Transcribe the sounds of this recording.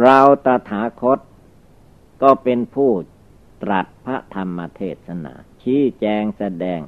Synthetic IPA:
ɾa˧wt̪a˧t̪ʰaː˩˦˥kʰo˦˥t̪̚ | kɔː˥˩pe˧npʰuː˥˩ | t̪ɾa˨˩t̪̚pʰa˦˥t̪ʰa˧mːa˧t̪ʰeː˥˩t̪̚sa˧na̰ː˩˦t͡ɕʰiː˦˥t͡ɕɛː˧ŋsa˧dɛː˧ŋ

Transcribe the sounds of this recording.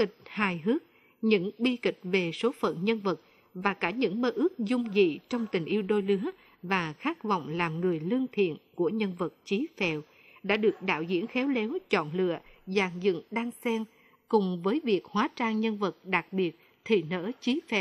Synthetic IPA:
ki˨˩k̚haː˨˩jɦɨ˦˥ək̚ | ɲɨ̰˧˥ŋɓi˧kï˨˩k̟̚ve˨˩so˨˦fə̰˧˨nɲə˧nvə˨˩t̚ | vaː˨˩kaː˧˩ɲɨ̰˧˥ŋməː˧ʔɨ˦˥ək̚zʊ˧ŋ͡mzḭ˧˨t͡ɕɔ˧wŋ͡mt̪ï˨˩ŋ̟ʔi˧əwɗo˧jlɨ˨˦ə | vaː˨˩xaː˦˥k̚vɔ̰˧˨wŋ͡mlaː˨˩mŋɨ˨˩əjlɨ˧əŋt̪ʰḭ˧˨ənku˧˩əɲə˧nvə˨˩t̚t͡ɕi˨˦fɛ˨˩w | ɗa̰ː˧˥ɗɨ˨˩ək̚ɗa̰ː˧˨wzḭ˧˥ənxɛ˨˦wlɛ˨˦wt͡ɕɔ̰˧˨nlɨ̰˧˨əzaː˨˩ŋzɨ̰˧˨ŋɗaː˧ŋsɛ˧m | kʊ˨˩ŋ͡mvəː˨˦jvi˨˩ək̚hwaː˨˦t͡ɕaː˧ŋɲə˧nvə˨˩t̚ɗa˨˩k̚ɓi˨˩ət̚ | t̪ʰḭ˧˩nə̰˧˥t͡ɕi˨˦fɛ˨˩w

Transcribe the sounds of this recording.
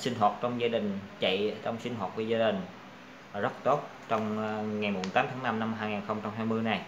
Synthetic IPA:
sï˧ŋ̟ɦwaː˨˩t̚t͡ɕɔ˧wŋ͡mzaː˧ɗï˨˩ŋ̟t͡ɕə̰˧˨jt͡ɕɔ˧wŋ͡msï˧ŋ̟hɦwaː˨˩t̚vu˧˩zaː˧ɗï˨˩ŋ̟ | zə˦˥t̚t̪o˦˥t̚ | t͡ɕɔ˧wŋ͡mŋa˨˩jmu˨˩t̪aː˨˦t̪ʰːna˧mna˧mɦaː˧jŋaː˨˩nxə˧wŋ͡mt͡ɕa˧ŋ͡mɦaː˧jmɨ˧əjna˨˩j

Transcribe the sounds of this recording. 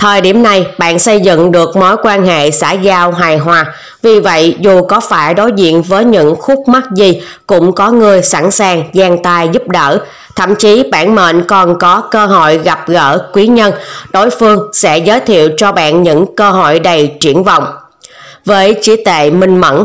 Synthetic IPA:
t̪ʰəː˨˩jɗi˧˩əmna˨˩jɓa̰ː˧˨nsə˧jzɨ̰˧˨ŋɗɨ˨˩ək̚mo˨˦jkwaː˧nhḛ˧˨sa̰ː˧˥jzaː˧wɦaː˨˩jɦwaː˨˩ | vi˨˩və̰˧˨jzu˨˩kɔ˨˦faː˧˩jɗo˨˦jzḭ˧˨ənvəː˨˦jɲɨ̰˧˥ŋxʊ˦˥k͡p̚ma˦˥k̚zi˨˩ | kʊ̰˧˥ŋ͡mkɔ˨˦ŋɨ˧əjsa˧˩nsaː˨˩ŋzaː˧ŋt̪aː˧jzʊ˦˥p̚ɗəː˧˩ | t̪ʰə̰˧˨mt͡ɕi˨˦ɓa̰ː˧˨nmḛ˧˨nkɔ˨˩nkɔ˨˦kəː˧ɦo̰˧˨jɣa˨˩p̚ɣə̰ː˧˩kwi˨˦ɲə˧nɗo˨˦jfɨ˧əŋsɛ̰˧˥zəː˨˦jt̪ʰḭ˧˨əwt͡ɕɔ˧ɓa̰ː˧˨nɲɨ̰˧˥ŋkəː˧ɦo̰˧˨jɗə˨˩jt͡ɕi˧˩ənvɔ̰˧˨wŋ͡m | vəː˨˦jt͡ɕi˧˦t̪ḛ˧˨mï˨˩ŋ̟mə̰˧˥n

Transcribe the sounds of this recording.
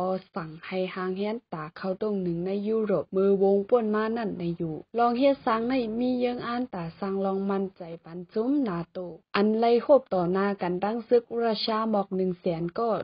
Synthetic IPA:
ɔː˧sa˨˩ŋha˧˩jhaː˧˥ŋhɛː˧˥nt̪aː˨˩kʰa˧˩wt̪o˧˩˨ŋnɯ˨˩ŋna˧˥˨jːuː˧ɾoː˧˩p̚mɯː˧woː˧ŋpu˧˩ənmaː˧˥˨na˧˥˩nːa˧˩jjuː˧˩lɔː˧ŋhe˧˥t̪̚sa˧˥ŋna˧˩jmiː˧˥˨jɯː˧˦ŋʔaː˧˥˨nt̪aː˨˩sa˧˩ŋlɔː˧ŋma˧˥˨nt͡ɕa˨˩jpa˨nsu˧˦mnaː˧t̪oː˧˩ʔa˨nla˧˨jhoː˧˥˩p̚t̪ɔː˨˩naː˧˥˨ka˨nt̪a˧˨ŋsɯ˧˦k̚ɾaː˧˩sʰaː˧˨mɔː˧˩k̚nɯ˨˩ŋsɛː˨˦nkɔː˧˩

